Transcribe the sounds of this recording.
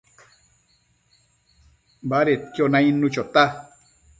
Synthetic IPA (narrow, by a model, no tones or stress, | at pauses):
baɾet̪̚kjonãĩnːut͡ʃot̪a